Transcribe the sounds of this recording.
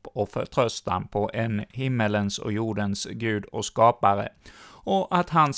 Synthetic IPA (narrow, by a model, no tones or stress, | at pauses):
pːɔfœ̰ɾʈʰɾœst̪a̰pʰɔʔɛnhɪmːələnsɔ̰juːɖənsɡʉ̟ːd̪ɔskɑːpaɾə̰ɔʔat̪ɦans